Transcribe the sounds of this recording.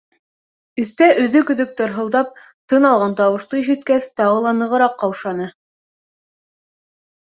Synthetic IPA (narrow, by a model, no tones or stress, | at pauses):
ɵ̆θt̪æʔɵ̆ðɵkɵ̆ðɵk̚t̪ɤ̆ɾɦɤ̆lˠd̪ɑp̚ | t̪ɤnɑlˠʁɑnt̪ɑwɤ̆ʃt̪ˠɤiʃɘ̆t̪̚kæθt̪ɑʁɤlˠɑnɤ̆ʁɤ̆ɾɑqːɑwʃɑnɤ